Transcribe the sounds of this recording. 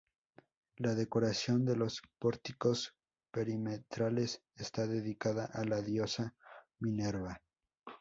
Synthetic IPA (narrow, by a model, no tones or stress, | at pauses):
laðe̞ko̞ɾasjo̞nd̪e̞lo̞spo̞ɾt̪iko̞s | pe̞ɾimet̪ɾale̞s | est̪aðe̞ðikaðaʔalaðjo̞sa | mĩneɾβa